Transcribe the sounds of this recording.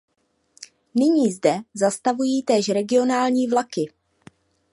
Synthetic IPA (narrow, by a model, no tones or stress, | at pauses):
nɪɲiːzdɛzast̪avujiːt̪ɛːʃɾɛɡɪo̞naːlɲiːvlakɪ